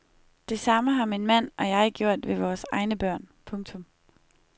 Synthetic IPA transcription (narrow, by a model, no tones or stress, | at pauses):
d̥e̝sɑ̈məɦɑ̈minmæn̰ɒ̽jɑ̈ɪɡ̥jo̝ɐ̰d̥ʋe̝ʋɒːsɑ̈ɪnəb̥ɶɐ̰npʰɔ̽ŋt͡sʰɔ̽m